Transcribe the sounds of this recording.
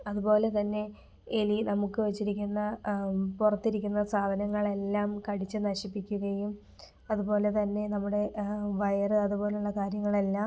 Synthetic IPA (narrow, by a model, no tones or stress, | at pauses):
ɐðupo̞ːle̞t̪ɐnːe̞ | elinɐmukːɨʋet͡ɕːiɾikʲːunːɐpurɐt̪ːiɾikʲːunːɐsaːd̪ʱɐnɐŋːɐɭe̞lːaːmkɐɽit͡ɕːɨnɐɕipːikʲːuɣɐjum | ɐðupo̞ːle̞t̪ɐnːe̞nɐmːuɽe̞ʋɐjɐrɨɐðupo̞ːleuɭːɐkaːɾjɐŋːɐɭe̞lːaː